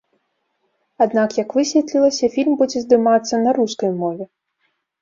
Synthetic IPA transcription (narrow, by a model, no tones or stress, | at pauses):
ad̪nakjɐkvɨsʲvʲɛt̪ʲlʲilˠɐsʲɐfʲilʲmbud͡zʲɛzd̪ɨmat̪sːɐnɐɾuskɐjmɔvʲɛ